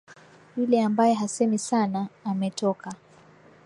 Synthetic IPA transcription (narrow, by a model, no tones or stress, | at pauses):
julɛambajɛɦasɛmisanaːmɛtɔka